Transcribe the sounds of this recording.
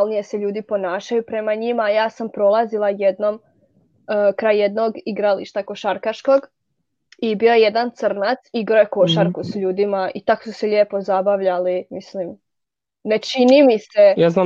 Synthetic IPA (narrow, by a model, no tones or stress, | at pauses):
lˠnije̞seʎuːd̪ipo̞naːʃajupɾe̞maɲimaːjaːsampɾo̞lˠazilˠajed̪no̞m | kɾaːjje̞d̪no̞ɡiɡɾaliʃt̪ako̞ʃaɾkaʃkoɡ | ibiːoje̞d̪ant̪sr̩nat̪siɡɾojeko̞ʃaɾkusʎuːd̪imaʔit̪aksuseʎeːpo̞zabaʋʎalimislim | net͡ʃinimisejazna